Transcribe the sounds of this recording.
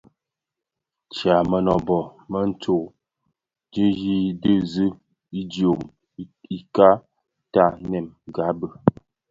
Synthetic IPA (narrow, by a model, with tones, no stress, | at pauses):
t͡ʃja˨mə˨nɔ˨bɔ˨mə˦n̩˦to˨ | d͡ʒə˦ji˦də˦zə˦ | i˦di˨o˨m | i˨ka˦ | ta˦˨nɛ˨m˨ɡa˨˦bə˨